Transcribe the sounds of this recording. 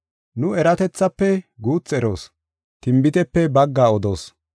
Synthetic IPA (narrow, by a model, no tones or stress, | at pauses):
nʊɛɾɐt̪ɛt͡sːɐpːɛɡuːt͡sːɛɾo̞̰ːs | t̪ɪmbɪt̪ɛpːɛbɐɡːaːɔd̪o̞̰ːs